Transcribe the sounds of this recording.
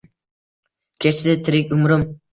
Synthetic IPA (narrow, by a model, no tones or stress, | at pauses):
kʲʰet͡ʃʰd̪ɪt̪ʰɪɾɪkʲʊmɾʊm